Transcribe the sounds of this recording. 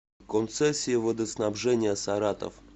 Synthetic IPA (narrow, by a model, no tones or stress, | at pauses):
kont̪sɛsʲːɪɪvəd̪əsnabʐɛnʲɪjəsaɾat̪ə̰f